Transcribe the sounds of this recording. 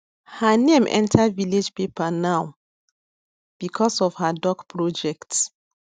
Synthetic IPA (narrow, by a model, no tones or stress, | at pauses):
hanẽmʔɛ̰̃ntʰaviled͡ʒpepʰanaw | b̥ikʰɔsɔv̥hadɔɡpʰɹɔd͡ʒɛkts